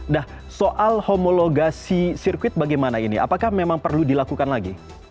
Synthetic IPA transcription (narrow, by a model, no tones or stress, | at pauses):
dah | soʔalhomoloɡasisirkwɪt̪̚baɡajmanainḭʔa̰pakahmemaŋpərludilakukanlaɡi